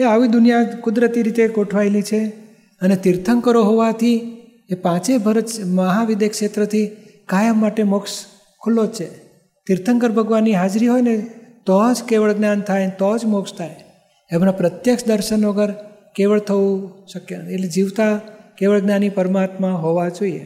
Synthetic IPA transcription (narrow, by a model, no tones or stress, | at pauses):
eaʋid̪ʊnijakʊd̪ɾət̪iɾit̪eɡoʈʰʋajlit͡ʃʰe | ənet̪iɾt̪ʰəŋkəɾoɦoʋat̪ʰi | epãt͡ʃebʱəɾət͡ʃməɦaʋid̪ekʃet̪ɾət̪ʰi | kajəmːaʈemɔks | kʰulːod͡ʒt͡ʃʰe | t̪iɾt̪ʰəŋkəɾbʱəɡʋanːiɦad͡ʒɾiɦojnet̪ɔd͡ʒkeʋəɭɡnant̪ʰajt̪ɔd͡ʒmokst̪ʰaj | emnãpɾət̪jəkʃd̪əɾʃənɔɡəɾ | keʋəɭt̪ʰəʋũʃəkjeeʈled͡ʒiʋt̪akeʋəɭɡnanipəɾmat̪mãɦoʋad͡ʒoiḛ